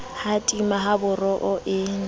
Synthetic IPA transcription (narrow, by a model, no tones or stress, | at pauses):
hatʼimaɦabʊrɔʔʊʔɪːŋ̩